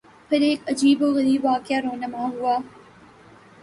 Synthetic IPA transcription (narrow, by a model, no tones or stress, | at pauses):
pʰɪɾeːkɐd͡ʒiːboːɣɐɾiːbʋaːkɪjaːɾoːnəmãɦʊaː